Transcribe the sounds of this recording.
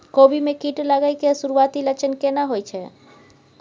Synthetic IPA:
kobimekiʈləɡəjkesuɾuat̪ilət͡ʃʰənkenaɦojt͡ʃʰɛ

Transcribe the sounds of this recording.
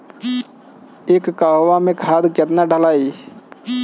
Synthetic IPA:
ekːaɦoʋamẽkʰad̪ket̪naɖʱəlaːi

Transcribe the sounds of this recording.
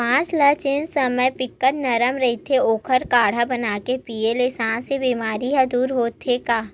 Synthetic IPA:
pãːt͡ʃlɐt͡ʃɪnsəməjpɪkːəʈnɐɾəmɾɐɦit̪ʰeoːkʰəɾkaːɽ̤abənaːkepiːelesãːnsebiːmaːɾiɦɛ̃d̪uːɾɦoːt̪ʰːekaː

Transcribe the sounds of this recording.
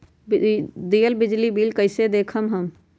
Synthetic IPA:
bd̪ijəlbid͡ʒlibilkəɪsed̪ekʰəmɦəm

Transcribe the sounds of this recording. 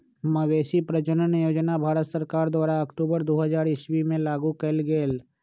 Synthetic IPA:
məweːsipɾət͡ʃənənjoːd͡ʒnabʱaːɾət̪səɾkaːɾd̪waːɾaɐkʈuːbəɾd̪oːɦəzaːɾɪswimẽlaːɡukəlɡeːl

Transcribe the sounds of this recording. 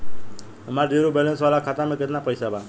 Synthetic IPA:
əmaɾɖeɾobɛlənsʋalakʰat̪amẽkɪt̪napəjsaba

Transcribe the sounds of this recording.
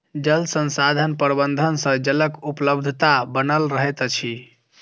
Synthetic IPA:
d͡ʒəlsə̃nsad̪ʱənpəɾbənd̪ʱənsə̃d͡ʒələkupləbd̪ʱət̪abənəlɾəɦet̪t͡ʃʰi

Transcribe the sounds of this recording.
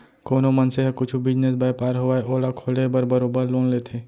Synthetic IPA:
koːnomənseɦɐkʊt͡ʃʰubɪd͡ʒnesbaːjpaːɾɦoaeʔoːlakʰoːlebɐɾbɐɾoːbəɾloːnleːt̪ʰeː

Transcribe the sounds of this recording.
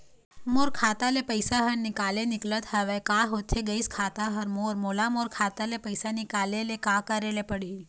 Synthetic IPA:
moɾkʰat̪alepəjsaɦəɾnikalenɪklət̪ɦəʋekaɦot̪ʰeɡəiskʰat̪aɦəɾmoɾmolamoɾkʰat̪alepəjsanikalelekakəɾelepəɽil

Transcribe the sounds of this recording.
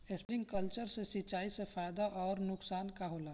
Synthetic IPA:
espɾɪ̃ŋɡkəlt͡ʃəɾsesɪt͡ʃaːisefaːjd̪aʔɔːɾnʊksaːnkaɦoːlaː

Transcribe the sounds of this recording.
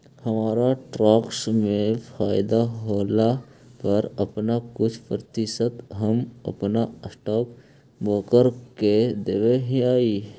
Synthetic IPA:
hɐmaːɾaʈɾaːksmẽfʰaːɪd̪aɦoːlapɐɾɐpnakʊt͡ʃʰpɾət̪ɪsət̪ɦɐmɐ̰pnaəsʈaːk̚ | boːkəɾked̪eʋeɦĩaːi

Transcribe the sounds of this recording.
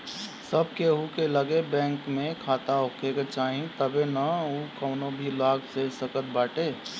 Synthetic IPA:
səb̚ʱkeɦukeləɡebɛ̃ːŋkmẽkʰaːt̪aɦokʰeket͡ʃaːɦĩt̪əbenaukəʊnobʱilaːɡsesəkət̪̚baːʈe

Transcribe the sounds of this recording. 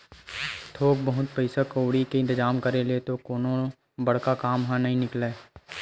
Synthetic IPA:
t̪ʰoːk̚bəɦʊt̪̚pɛɪsakoːɽikeɪ̃nt̪ɪzaːmkɐɾeleːt̪okoːnõ | bɐɽkakaːmɦãnɐɦĩnɪkleː

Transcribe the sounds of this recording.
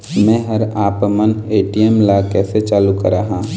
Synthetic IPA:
mɛ̃ːɦɐɾaːpməneːʈiemlaːkɛːset͡ʃaːlukɐɾaːɦãː

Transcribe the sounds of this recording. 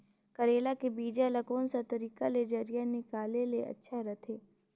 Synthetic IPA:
kɐɾeːlakebiːd͡ʒalɐkoːnsat̪ɐɾiːkaled͡ʒɐɾijanɪkaːleleʔɐ̰tːʃʰaɾɐt̪ʰeː

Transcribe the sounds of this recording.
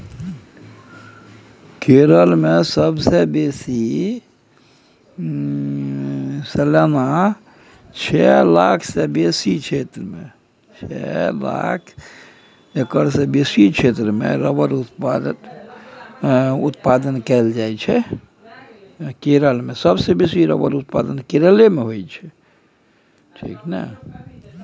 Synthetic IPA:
keɾəlmesəbsebesi | selana | t͡ʃʰɛlaːkʰsebesit͡ʃʰet̪ɾəmḛ̃ | t͡ʃʰɛ̰la̰kʰ | ekəɾsebesit͡ʃʰet̪ɾəmḛɾəbəɾut̪pd̪ | ut̪pad̪ənkɛld͡ʒajt͡ʃʰɛ | keɾəlmesəbsebesiɾə̰bəɾut̪̚pa̰d̪ənkeɾəlemeɦojt͡ʃʰɛ | ʈʰḭknə̰

